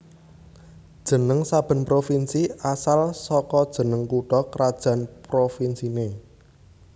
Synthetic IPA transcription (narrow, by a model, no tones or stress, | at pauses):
d̥ʒ̥ə̤nəŋsab̥ə̤npɾofinsiasalsɔkɔd̥ʒ̥ə̤nəŋkuʈɔkɾad̥ʒ̥a̤npɾofinsine